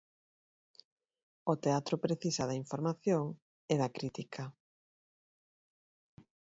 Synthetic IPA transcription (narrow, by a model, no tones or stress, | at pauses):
ot̪eat̪ɾopɾeθisaðaiɱfoɾmaθjoŋ | eðakɾit̪ikʰɐ